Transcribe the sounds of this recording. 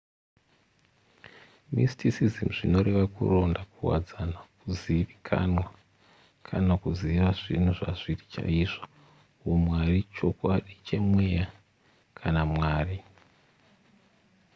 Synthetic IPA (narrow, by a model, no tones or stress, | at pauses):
mḭstisizimuʐino̞ɾe̞ʋakṵro̞ndakuwa̰d͡zanakuziʋikʰa̰nwa | kʰanakuziʋaʐ̥in̤uʐa̰ʐirit͡ʃa̰iːʐo | womwarit͡ʃo̞kwaɗit͡ʃe̞mweja | kʰanamwaːri